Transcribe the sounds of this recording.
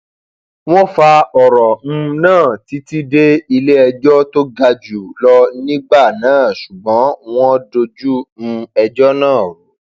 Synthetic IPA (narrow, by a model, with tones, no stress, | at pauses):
w̃ɔ̃˦fa˧ɔ˨ɾɔ˨m̩̃˧nãː˦˨ti˨˦ti˦de˦i˧le˦ɛ˧d͡ʒɔ˦to˦ɡa˧d͡ʒu˨lɔ˦nĩ˦ɡ͡ba˦˨nãː˦˨ʃu˨ɡ͡bɔ̃˨˦w̃ɔ̃˦do˧d͡ʒu˦m̩̃˧ɛ˧d͡ʒɔ˦nãː˦˨u˨˦